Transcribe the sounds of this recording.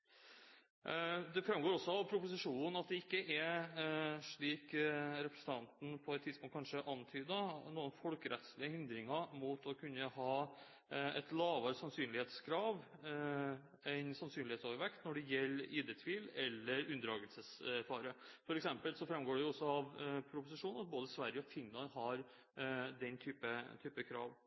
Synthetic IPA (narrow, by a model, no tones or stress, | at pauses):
d̪ɛfɾɛmɡoːɾɔsːɔɑʋpʰɾʊpʊsɪʂuːnn̩ɑt̪̚d̪ɛɪkːəʔɛ | ʂɭiːkɾɛpɾɛsənt̪ʰɑnt̪n̩pʰɔɛt̪ʰːɪd̪spʊŋt̪kɑnʂəʔɑnt̪ʰyːd̪ɑnuːənfɔlkəɾʔɛt̪slɪəhɪnd̪ɾɪŋɑmuːt̪ɔkʰʉnːəhɑː | ɛ̰t̪lɑːʋɑɾsɑnsyːnlɪheːt̪skʰɾɑːʋ | æɪnsɑnsyːnlɪheːt̪soːʋəɾʋɛkt̪nɔɖɛjɛlːɪːd̪ət̪ʰʋiːlɛlːəɾʉnd̪ɾɑːɡəlsəsæɾfɑːɾəfɔɾɛksɛmpəlsɔfɾɑmɡoːɖɛjʊɔsːɔɑʋpʰɾʊpʊsɪʂuːnɑt̪̚boːd̪əsʋæɾjəɔfɪnlɑnɦɑɾ | d̪ɛnt̪ʰyːpət̪ʰyːpəkʰɾɑ̰ːʋ